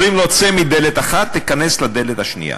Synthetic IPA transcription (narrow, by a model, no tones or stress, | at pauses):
ʁimlot͡semid̪elet̪aχat̪ːikane̞slad̪e̞let̪haʃnḭja̰